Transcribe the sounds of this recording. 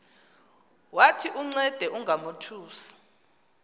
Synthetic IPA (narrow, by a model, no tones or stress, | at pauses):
watʰiʔuŋ͡ǀɛd̥ʱɛʔuŋɡʱamotʰuːsḁ